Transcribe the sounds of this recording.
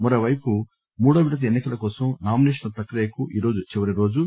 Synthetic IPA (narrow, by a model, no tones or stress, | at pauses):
mɐɾoːʋɐjpu | muːɽɐʋiɽɐt̪̬ɐenːikɐlɐkɔːsɐmnaːmineːʂɐnɐpɾɐkɾejɐkuʔiːɾo̞ːd͡ʒut͡ʃiʋɐɾiɾo̞ːd͡ʒu